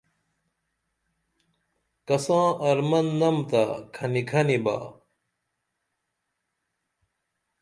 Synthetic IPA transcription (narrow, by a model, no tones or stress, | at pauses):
kɐsãːɐɾmɐnːɐmt̪akʰɐnikʰɐniba̰ː